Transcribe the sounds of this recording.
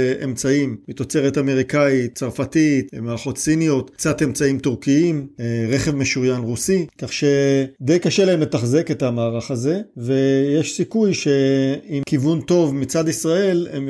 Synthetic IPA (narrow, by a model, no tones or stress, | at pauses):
ʔḛmt͡saimmit̪o̞t͡se̞ʁet̪ame̞ʁ̞ikaitt͡saʁfatitmaːʁaχo̞t̪sinijo̞tkt͡sate̞mt͡saimt̪uʁkiimʁeχe̞vmeʃujanʁusikaχʃe̞d̪e̞jkaʃelaɦemle̞taχzeket̪amaːʁaχaze̞ve̞jeʃsikujʃe̞imkivunt̪o̞vmit͡sad̪isʁae̞lḛm